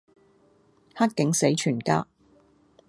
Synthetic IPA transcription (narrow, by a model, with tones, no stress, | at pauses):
hɐ˥t̚kɪ˨˥ŋse˨˥jt͡ʃʰyː˨˩nka̰ː˥